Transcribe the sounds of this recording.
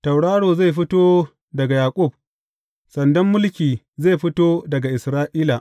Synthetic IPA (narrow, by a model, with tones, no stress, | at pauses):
tɐ˨wɽaː˦ɽoː˨za˦˨jɸɪ˦toː˦ | dɐ˨ɡa˨jaː˨kʷʼʊ˦˨b̚ | sɐ˨ndɐ˦mːʊ˦lkʲiː˨ | zeː˦˨jɸɪ˦toː˦dɐ˨ɡa˨ʔɪ˨sɾaː˦ʔiː˦la˨